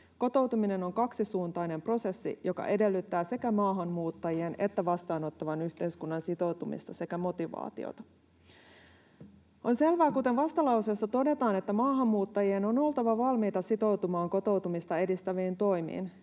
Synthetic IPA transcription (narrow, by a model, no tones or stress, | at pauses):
ko̞t̪o̞wt̪umine̞no̞ŋkɑksisuːnt̪ɑjne̞mpro̞se̞sːḭjo̞kɑ̰ʔe̞de̞lːyt̪ːæːse̞kæmɑːɦɑnːmuːt̪ːɑjie̞ne̞t̪ːæʋɑst̪ɑːno̞t̪ːɑʋɑnyçt̪e̞jskunːɑnsit̪o̞wt̪umḭst̪ɑse̞kæmo̞t̪iʋɑ̰ːt̪ḭo̰t̪ɑ̥ | o̞nse̞lʋæːkut̪e̞nʋɑst̪ɑlɑwsesːɑt̪o̞de̞t̪ɑːne̞t̪ːæmɑːɦɑmːuːt̪ːɑjieno̞no̞lt̪ɑʋɑʋɑlmiːt̪ɑsit̪o̞wt̪umɑːŋko̞t̪o̞wt̪umist̪ɑe̞dist̪æʋiːnt̪o̞jmḭːn